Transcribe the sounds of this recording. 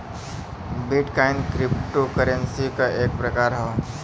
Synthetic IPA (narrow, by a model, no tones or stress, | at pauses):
bɪʈkaːɪnkɾɪpʈokəɾə̃nsikaʔeːk̚pɾɐkaːɾɦo